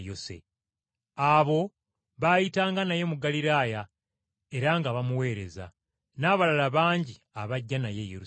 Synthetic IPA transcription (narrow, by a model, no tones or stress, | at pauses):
jo̞se̞̰ | aβo̞ | βajitaːŋɡanaje̞muɡaliɾaːja | e̞ɾaŋɡaβamuwe̞ːɾe̞̰za̰ | naːβalalaβaːɲɟi | aβaɟːanaje̞jeɾu